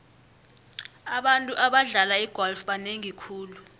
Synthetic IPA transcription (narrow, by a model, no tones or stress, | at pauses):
aɓantʼuʔaɓaɮalaiɡ̥ʱɔlfɓaneŋikʰuːlu